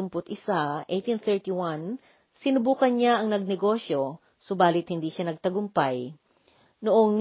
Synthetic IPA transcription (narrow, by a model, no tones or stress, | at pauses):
ʊmpʊt̪ʔɪsaʔejt̪inθɛɹt̪iwan | sɪnʊbuːkɐnɲaʔɐŋnɐɡ̚nɛɡo̞ʃjo̞ | sʊbaːlɪt̪̚hɪnd̪iːʃanɐɡ̚t̪ɐɡʊmpaj | nʊʔoŋn